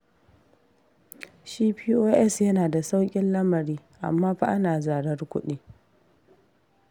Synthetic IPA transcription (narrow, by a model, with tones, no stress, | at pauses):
ʃiː˦ɸiː˦ʔoː˦ʔɛ˦sjɐ˦naː˨da˨sa˦wkʲʼɪ˦nlɐ˦mɐ˨ɾiː˦ʔa̰˨mːaː˦ɸa˦ʔa˦naː˨zaː˨ɽɐ˦rkʷʊ̰˦ɗiː˦